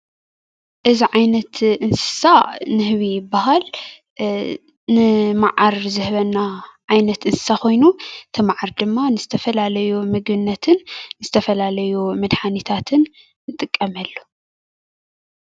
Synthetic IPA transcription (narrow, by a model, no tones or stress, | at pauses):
ʔɨziʕajnɐt̪ʔɨnsɨ̥sanɨhβibaɦal | nɨmaʕaɾzɨhβɐnːaʕajnɐt̪ʔɨnsɨ̥sako̞jnut̪ʰɐmaʕaɾd̪ɨmːanɨzɨt̪ʰɐfɐlalɐjumɨɡbɨnːɐt̪ʰɨnːɨzɨt̪ʰɐfɐlalɐjumɐd̪ħanit̪ʰat̪ʰɨnː | ɨt̪ʼɨkʼːɐmɐlːu